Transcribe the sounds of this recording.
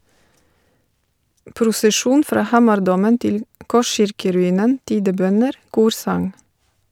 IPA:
pɾʊsəˈʃuːn ˈfɾɑː ˈhɑːmɑɾˌdoːmən ˈtɪl ˈkɔˌʃɪɹkəɾʉˌiːnən ˈtiːdəˌbœnəɾ ˈkuːɾsɑŋ

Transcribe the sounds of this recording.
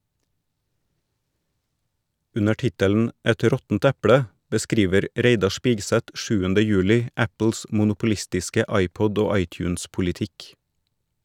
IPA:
ˈʉnə ˈʈɪtəln̩ ˈɛt ˈɾɔtn̩t ˈɛpɽə bəˈskɾiːʋəɾ ˈɾeɪdɑ ˈʃpiːɡˌsɛt ˈʃʉːəndə ˈjʉːlɪ ˈæpl̩s mʊnʊpʊˈlɪstɪskə ˈɑɪˌpɔd ˈoː ˈɑɪˌtjʉːnspʊlɪˌtɪk

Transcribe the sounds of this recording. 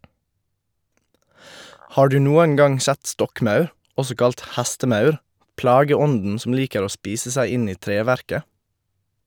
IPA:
ˈhɑː ˈɖʉː ˈnuːəŋ ˈɡɑŋ ˈsɛt ˈstɔkˌmɑʉɾ ˈɔsɔ ˈkɑlt ˈhæstəˌmɑʉɾ ˈplɑːɡəˌɔndn̩ ˈsɔm ˈliːkəɾ ˈoː ˈspiːsə ˈsæɪ ˈɪn ˈiː ˈtɾeːʋæɾkə

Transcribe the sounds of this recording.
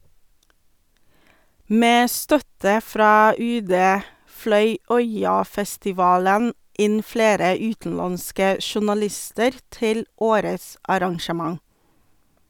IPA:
ˈmeː ˈstœtə ˈfɾɑː ˈʉːˌdeː ˈflœʏ ˈœʏɑfɛstɪˌʋɑːlən ˈɪn ˈfleːɾə ˈʉːtn̩ˌlɑnskə ʃʊnɑˈlɪstəɾ ˈtɪl ˈoːɾəs ɑɾɑŋʃəˈmɑŋ

